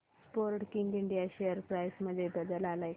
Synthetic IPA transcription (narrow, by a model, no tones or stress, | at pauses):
spoɾʈkiŋɡiɳɖijaɕejəɾpɾajsməd̪ʱːjebəd̪əlalae